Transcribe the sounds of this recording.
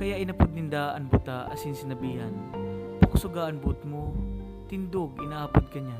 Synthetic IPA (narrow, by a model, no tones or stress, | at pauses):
kɐjaʔɪnɐpʊd̪̚nɪnd̪aɐ̰ŋbʊt̪aʔɐ̰sɪnsɪnɐbiːɦɐnpʊkʊsʊɡaʔɐnbʊt̪mo | t̪ɪnd̪oɡɪnɐʔaːpʊd̪̚kɐɲa